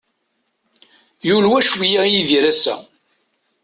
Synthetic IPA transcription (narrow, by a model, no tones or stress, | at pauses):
julwæʃwijæjiðiɾæsæ̰